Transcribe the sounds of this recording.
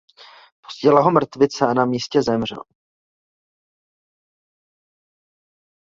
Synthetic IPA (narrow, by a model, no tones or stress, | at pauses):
po̥sɟɛlaɦo̞mr̩t̪vɪt͡sɛanamiːscɛzɛmr̝ɛ̰l